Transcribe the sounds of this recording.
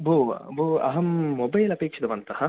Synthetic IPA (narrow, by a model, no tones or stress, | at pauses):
bʱobʱuɐ̰ɦɐmːɔbɐjlɐpeːkʂɐd̪ɐʋɐnt̪ɐhɐ